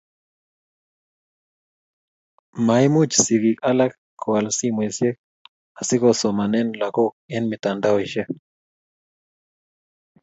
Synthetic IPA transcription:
ma˨jmu˦t͡ʃsi˨ki˨ka˦la˦k | kʰːɔ˨a˨lsi˦mwɛ˨sjɛ˦k | a˨si˦kɔ˦sɔ˨ma˨nɛ˦nla˨kɔ˦k̚ɛ˦nmi˨t̪a˨nda˦wi˨ʃɛ˦

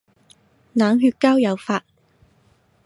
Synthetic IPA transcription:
naː˨˥ŋɦyː˧t̚kːaː˥wjɐ˨˧wfaː˧t̚

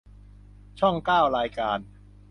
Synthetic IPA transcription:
t͡ɕʰɔ˥˩ŋkaː˥˩wɾaː˧jkaː˧n

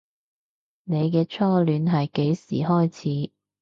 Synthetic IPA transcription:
ne˨˧jkɛː˧t͡ʃʰɔː˥lyː˨˧nɦɐ˨jke˨˥jsiː˨˩ɦɔː˥jt͡sʰiː˨˥

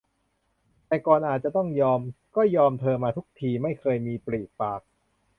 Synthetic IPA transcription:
t̪ɛː˧kɔː˨˩nʔaː˨˩t̪̚t͡ɕa˨˩t̪ɔ˥˩ŋjɔː˧mkɔː˥˩jɔː˧mt̪ʰɤː˧maː˧t̪ʰu˦˥k̚t̪ʰiː˧ma˥˩jkʰɤː˧jmiː˧pɾiː˨˩t̪̚paː˨˩k̚

